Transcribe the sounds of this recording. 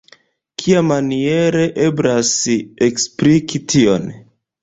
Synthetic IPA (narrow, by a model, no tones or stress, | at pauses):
kʰiamanie̞ɾeʔebɾaseksplikʰitʰio̰n